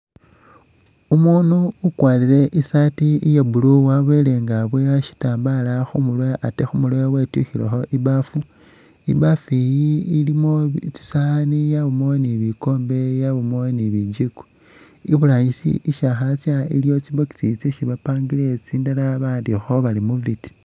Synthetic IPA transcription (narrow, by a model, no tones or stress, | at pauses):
umunuːkwaːliɾe̞ʔisatiijebuluwaβwele̞ŋɡaβweaʃi̥taːmbalaxumulwojaʔatexumulojawetuxilḛxoʔibafu | ḭbafijiilimo̞t͡si̥sanijaβumoniβiko̞ːmbe̞jaβumoniβid͡ʒiku̥ | iβulaːɲisḭʔiʃaxat͡sjailjo̞t͡siβoki̥t͡sit͡seʃiβapaːŋɡile̞t͡siːndalaβaːndixoβalimuviti̥